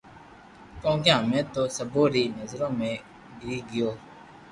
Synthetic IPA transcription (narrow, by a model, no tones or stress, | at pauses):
kõːɡjãːmẽːt̪oːsəboːɾiːnəzɾõːmẽː | ɖiːɡɪjoː